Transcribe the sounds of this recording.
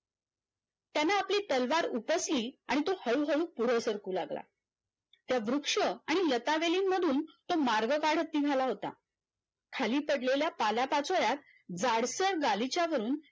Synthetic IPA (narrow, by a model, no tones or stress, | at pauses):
t̪janaːpliːt̪əlʋaɾupəsliːaɽ̃it̪ohəɭuɦəɭuːpuɽ̤əsəɾkuːlaɡla̰ | t̪jaʋɾukʂəaɽ̃ilət̪aʋeliːnməd̪ʱuːnt̪omaɾɡəkaɽ̤ət̪ːiːɡʱalaɦot̪a̰ | kʰaliːpəɽleljapalapat͡sojat̪̚ | d͡zaɽsəɽɡalit͡ɕjaʋəɾuːn